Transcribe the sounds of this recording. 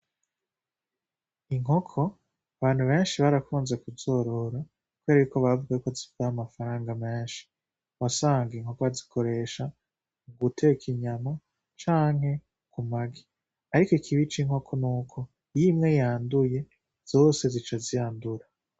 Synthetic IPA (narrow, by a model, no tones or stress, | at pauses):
iŋɦo̞kʰo̞ | aβaːn̥huβe̞ːnʃiβaɾakuːnzekuzo̞ːɾo̞ɾa | kweɾejukoβavuɡajukozivɡaamafaɾaːŋɡame̞ːnʃi̥ | βasaːŋɡiŋho̞kozi̥kʰo̞ɾe̞ʃa | uɡutʰe̞kʰiɲano | t͡ʃaːŋhe̞ | kumaɡi | aɾikoikʰiβit͡ʃiŋho̞kʰo̞nuːkʰo̞ | ijimŋe̞jaːnduje̞ | z̥o̞ːse̞zit͡ʃazijaːnduɾa